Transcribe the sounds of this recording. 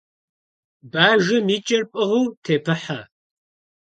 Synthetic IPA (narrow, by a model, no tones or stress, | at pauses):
baːʒɪmiːt͡ʃʼɐrpʼɐʁuːtʰeːpʰɨħa